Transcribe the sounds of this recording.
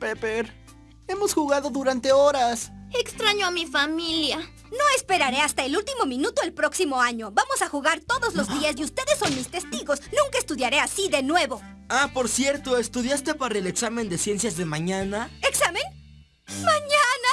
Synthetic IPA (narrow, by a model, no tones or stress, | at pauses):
pepeɾ | emo̞sxuɣaðo̞ðuɾant̪e̞oɾasekst̪ɾaɲoamifamilja | no̞espe̞ɾaɾe̞ast̪aelult̪imo̞mĩnut̪oelpɾo̞ksimo̞aɲo̞βamo̞saxuɣaɾt̪o̞ðozlo̞zðiazeust̪e̞ðe̞sonmist̪e̞st̪iɣo̞snũŋkaest̪uðjaɾe̞asiðe̞nwe̞βo̞ | apo̞ɾsjeɾt̪o̞est̪uðjast̪e̞paɾaele̞ksame̞nd̪e̞sje̞nsjazðe̞mãɲanaeksamẽn | maɲana